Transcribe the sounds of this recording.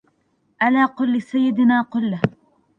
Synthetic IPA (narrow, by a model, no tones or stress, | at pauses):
ʔalaːqʊlːɪsajːɪd̪naːqʊlː